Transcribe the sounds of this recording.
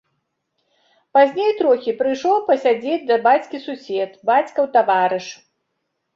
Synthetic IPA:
pazʲnʲejt̪ɾɔxʲipɾɨjʂlɔwpɐsʲad͡zʲed͡zʲd̪ɐbat͡sʲkʲisusʲɛt̪bat͡sʲkɐwt̪avaɾɨʂ

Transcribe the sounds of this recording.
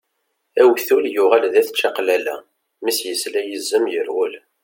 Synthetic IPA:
æwθuljʊʁælðæθʃɑqlælæ̰ | misjəslæjəzːəmjəɾwʊl

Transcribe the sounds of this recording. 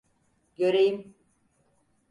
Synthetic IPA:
ɟøɾejim

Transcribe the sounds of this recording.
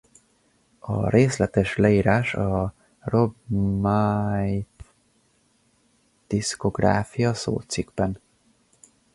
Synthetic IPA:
ɒ̰ɾeːslɛt̪ɛʃlɛiːɾaːʃɒ | robmajt̪ | d̪̥isko̞ɡra̰ːfijɒso̰ːlt̪syɡ̥bɛn

